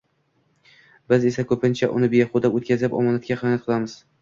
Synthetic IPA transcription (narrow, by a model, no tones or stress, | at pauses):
bɪze̞sakʰɵpɪnt͡ʃʰaʔʊ̰nɪbejχod̪apot̪̚kʲazɪpɒ̰mɒnat̪̚kʲaqɨnnat̪̚qʰɨlˠamɪz̥